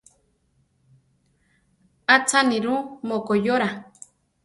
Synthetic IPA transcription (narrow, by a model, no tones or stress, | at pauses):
at͡saniɾumokojoɾa